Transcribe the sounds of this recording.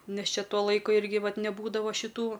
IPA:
ˈnʲɛs ˈt͡ʃʲɛ ˈtuɔ ˈlˠɐɪkʊ ˈɪrʲɡʲɪ ˈʋɐt nʲɛˈbuːdɐʋɐ ʃʲɪˈtuː

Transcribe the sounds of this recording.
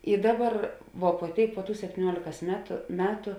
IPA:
ɪ ˈdɑːˌbɐr ʋuɔ puɔ ˈtʲeːɪk puɔ ˈtuː sʲɛpʲtʲiːˈnʲuɔlʲeːkɐs ˈmʲæːtʊ ˈmʲæːtʊ

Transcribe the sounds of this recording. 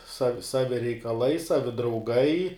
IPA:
sɐw ˈsɑːʋʲɪ rʲɛɪkɐˈlˠɐɪ ˈsɑːʋʲɪ drɐʊˈɡɐɪ

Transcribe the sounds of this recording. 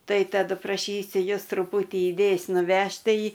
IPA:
ˈtɐɪ tɐˈdʊ prɐˈʃʲiːsʲʊ ˈjʊs trʊˈpuːtʲiː ɪˈdʲeːjs nʊˈʋʲɛʃʲtʲ ˈtɐɪ

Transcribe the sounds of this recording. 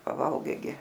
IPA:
pɐˈʋɐlˠɡɐɪ ɡʲɪ

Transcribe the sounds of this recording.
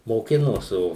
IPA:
moːˈkʲɪnoːs ˈoː

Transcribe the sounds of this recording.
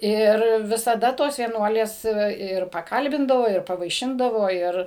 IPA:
ˈɪr ʋʲɪsɐˈdɐ ˈtoːs ʋʲiɛˈnuɔlʲeːs tɐɪ ˈʋɐ ɪr pɐˈkɐlʲbʲɪndɐʋoː ɪr pɐʋɐɪˈʃʲɪndɐʋoː ˈɪr

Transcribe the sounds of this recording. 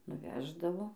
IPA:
nʊˈʋʲæːʒdɐʋoː

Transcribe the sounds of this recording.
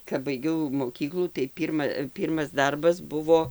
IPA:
kɐp bɐɪˈɡʲɛʊ moːˈkʲiːklˠuː tɐɪ ˈpʲiːrmɐ ˈpʲiːrmɐs ˈdɐrbɐs ˈbʊʋoː

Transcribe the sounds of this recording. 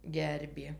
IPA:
ˈɡʲɛrʲbʲeː

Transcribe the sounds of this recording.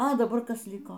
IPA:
ɐ dɐˈbɐr ˈkɐs ˈlʲɪkoː

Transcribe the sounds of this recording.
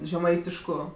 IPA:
ʒʲɛˈmɐɪtʲɪʃkʊ

